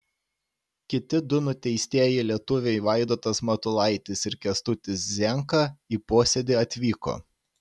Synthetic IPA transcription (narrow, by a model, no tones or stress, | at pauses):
kʲɪt̪ʲɪd̪ʊnʊt̪ʲɛɪsʲt̪ʲiɛjɛɪlʲiɛt̪ʊʋʲɛɪʋɐˑɪd̪oːt̪ɐsmɐt̪ʊlˠɐɪt̪ʲɪsɪɾkʲɛst̪ʊt̪ʲɪszʲɛˑŋkɐiːpoːsʲɛd̪ʲɪɐt̪ʲʋʲiːko̰